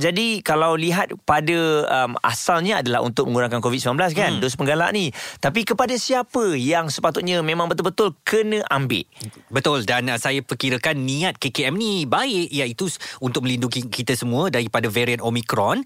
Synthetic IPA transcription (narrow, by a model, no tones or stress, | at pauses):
d͡ʒadikalawliɦat̪̚padəəma̰salɲəadalahṵnt̪ʊk̚mə̃ŋuɾaŋkankovit̪̚simlanblas̬kandos̬pəŋɡala̰ʔnit̪ap̬ikəpadasiapəjaŋsəpat̪ʊt̪̚ɲãmẽmãŋbət̪ʊlbət̪ʊlkənə̃ʔambɪ̰ʔ̚bət̪ʊldansajapərkiɾəkanːĩat̪̚kekeɛmnibaɪʔjait̪uunt̪ʊk̚mə̃lindukikit̪əsəmũədaɾipadavɛɾianomikɾɔn